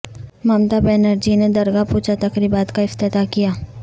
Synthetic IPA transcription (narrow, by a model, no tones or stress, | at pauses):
maːmt̪abɛːnəɾd͡ʒined̪ɐɾɡapuːt͡ʃat̪ɐkɾibaːt̪kaɪft̪ɪt̪akijaː